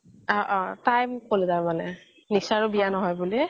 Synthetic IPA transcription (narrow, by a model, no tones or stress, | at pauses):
ɔʔɔ̃tajmkolɛzaɹmanɛ | nisaɹʊbijanɔɦɔjbuli